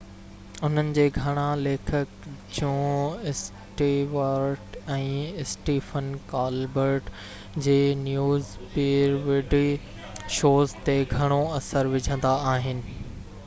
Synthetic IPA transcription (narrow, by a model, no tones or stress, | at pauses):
ʊn̤ənɪ̆d͡ʑeːɡʱɐɽ̃ãleːkʰəkd͡ʑũːɪs | ʈiʋaːɾʈɛ̃ːɪsʈiːfənkaːlbəɾʈ | d͡ʑeːnjuːzpiːɾʋɪɖi | ʃoːzt̪eɡʱɐɽ̃oɐsəɾʋɪd͡ʑʱə̃nd̪aaːɦɪnɪ̆